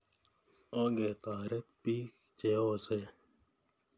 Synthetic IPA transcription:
õːɡeːt̪aːɾɐt̪piːk | t͡ʃeːoːseː

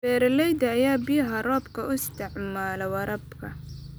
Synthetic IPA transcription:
bɛːɾɐlɛjd̪ɐːjaːbɪjɐɦɐrɔːbkʰɐʊɪst̪ʰɪʕmaːlɛwɐɾɐbkʰɐ̰

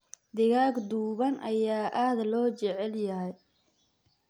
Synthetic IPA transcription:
d̪ɪɣaːɡd̪uːβɐnʔɐjaːʔaːd̪lɔːt͡ʃɛʕɛljɐɦɛj

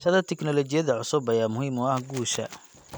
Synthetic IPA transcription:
ʃɐðɐt̪ʰɪknɔlɔt͡ʃɪjɐðɐʕʊsʊbɐjaːmʊhiːmʊɐhɡuːʃɐ̰

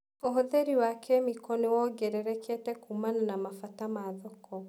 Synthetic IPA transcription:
oɦoðeɾiwakʰemikʰɔnewɔɡeɾeɾekʰetekumananamafatamaðɔkʰɔ

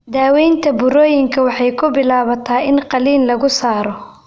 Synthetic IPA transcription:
d̪aːwɛjnt̪ʰɐbʊɾɔːjɪŋkʰɐwɑħɑjkʰʊbɪlaːβɐt̪ʰaːɪnqɑliːnlɐɣʊsaːɾɔ

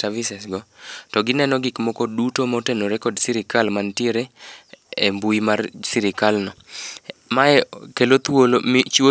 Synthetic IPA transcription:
savisɛsɡɔtɔɡɪnɛnɔɡɪkmɔkɔdutomɔtenoɾɛkɔdsiɾɪkalmantjeɾe | embuimarsiɾɪkalnɔ | maɛkelot̪wolmɪt͡ʃo

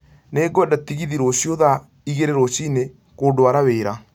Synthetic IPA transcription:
neːɡwɛdatiɣiðiɾɔɕjoða | iɣeɾeɾɔsine | koːdoaɾaweːɾa

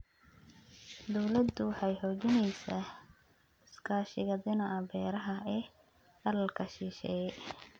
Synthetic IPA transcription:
d̪ɔwlɐd̪ʊwɑħɑjhɔːɣɪnɛjsa | ɪskʰaːʃɪɣɐðɪnɐʔɐbɛːɾɐɦɐɛː | d̪ɐlɐlkʰɐʃiːʃɛ

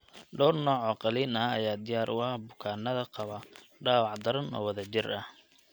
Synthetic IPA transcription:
ɖɔːrnɔːʕɔqɑliːnɐɐjaːd̪ɪjaːɾʔʊ̰ɐhbʊkʰaːnːɐðɐqɑβɐ | ɖaːwɑʕd̪ɐɾɐnɔ̰ːwɐðɐt͡ʃɪrɐh

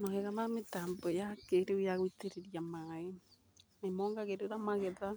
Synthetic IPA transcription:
nɔɣɛɣamametaːmbɔejakeɾeujaɣwiteɾeɾjamae | nemɔːŋɡaɣeɾeɾamaɣɛða

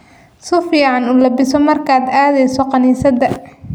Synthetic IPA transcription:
sʊfiːʕɑnuːlɐbɪsɔmɐrkʰaːd̪aːðɛjsɔqɑniːsɐd̪ɐ

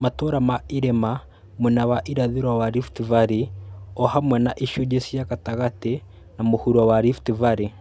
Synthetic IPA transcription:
matɔɾamaiɾɛma | mwɛnawaʔiɾaðiɾwawaɾiftivaɾiɔhamwɛnaʔiʃud͡ʒesiakataɣatɛ | namuhuɾwawaɾiftivaɾi

